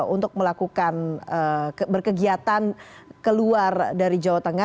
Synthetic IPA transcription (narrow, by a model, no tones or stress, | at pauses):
unt̪ʊk̚məlakukanəbərkəɡiat̪ankəluardaɾid͡ʒawat̪əŋa